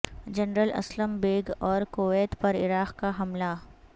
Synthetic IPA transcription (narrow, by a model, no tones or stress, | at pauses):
d͡ʒɐnɾəlɐ̰sləmbeːɡɔːɾkoʋeːt̪pɐɾɪɾaːqkaɦɐmla